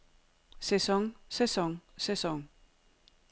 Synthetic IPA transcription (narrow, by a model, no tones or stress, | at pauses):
sesoŋsesoŋsesoŋ